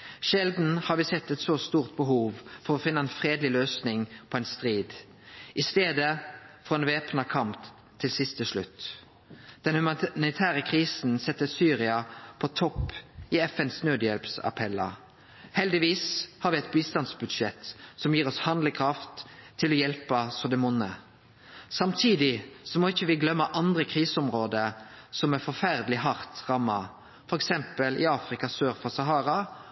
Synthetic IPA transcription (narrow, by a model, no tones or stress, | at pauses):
ʃɛld̪n̩hɑʁʋɪsɛt̪ːɛt̪sɔst̪uːʁt̪̚bəɦuːʋfɔʁɔfɪnːəɛnfʁeːd̪lɪløːsnɪŋpʰoːɛnst̪ʁiːd̪ | ʔɪst̪eːd̪əfɔʁɛːnʋeːpnɑkʰɑmt̪ʰː | ɪlsɪst̪əsɭʉ̰t̪ː | d̪̥ɛnhʉmɑnɪt̪ʰæːʁəkʰʁiːsn̩sɛt̪ːəsyːʁɪɑpʰɔt̪ʰɔpːɪɛfɛnsnøːd̪jɛlpsɑ̰pʰɛlːɑ̰ | hɛld̪ɪʋiːshɑɾʋɪɛt̪̚biːst̪ɑnsbʉd̪ʃɛt̪sɔmjiːʁɔshɑnd̪ləkʰʁɑft̪ʰːɪlɔjɛlpəsɔd̪ɛmʊnːə | sɑmt̪ʰiːd̪ɪsɔmoːɪçːəʋɪɡlœmːəʔɑnd̪ʁəkʰʁiːsəɔmʁoːd̪əsɔmɛfɔfæʁd̪əlɪɦɑʁt̪ʁɑmːɑ | fɔɾɛksɛmpəlʔɪ̰ɑːfɾɪkɑsøːɾfɔsɑɦɑːɾɑ